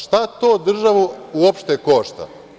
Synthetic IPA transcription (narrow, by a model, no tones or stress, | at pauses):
ʃt̪at̪oːd̪r̩ʒaʋuuopʃt̪ekoːʃt̪a̰